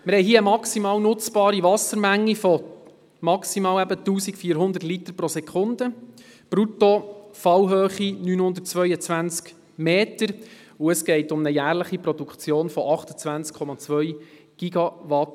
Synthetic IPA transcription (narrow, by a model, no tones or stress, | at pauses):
məɾhɛɪɦiːəəmɑksimɑːwnʊt͡sb̥ɑːɾiʋɑsəɾmæŋːifɔ | mɑksimɑːwæbətuːsikfiːɾɦʊnd̪ətlit̪əɾpɾɔsɛkʰχʊnd̪ə | b̥ɾutofɑwɦøːχinyːnhʊnd̪ətt͡sʋœʏət͡sʋænt͡sk | meːtəɾ | uəsɡ̥ɛɪtʊmnəjæːɾləχipɾɔdukχt͡sjoːnfɔʔɑχtə̥t͡sʋænt͡skʰɔmɑt͡sʋœʏ | ɡ̥iɡɑʋɑt